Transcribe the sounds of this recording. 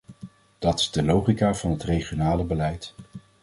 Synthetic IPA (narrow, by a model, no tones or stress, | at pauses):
d̥ɑtɪ̥zdəlowχikaːvɑnɦətrejχjonaːləbəlɛjt